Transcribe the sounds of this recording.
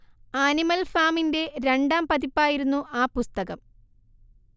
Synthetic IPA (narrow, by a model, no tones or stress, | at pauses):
animɐlfaːminde̞ɾe̞ɳɖaːmpɐðipːaːjiɾunːuʔaːpust̪ɐɣɐm